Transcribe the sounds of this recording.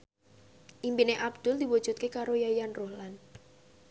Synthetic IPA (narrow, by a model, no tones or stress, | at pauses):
ʔimpineʔab̚d̪̥ʊld̪i̤wud̥ʒ̥ṳt̪̚kekaɾojajanrohlan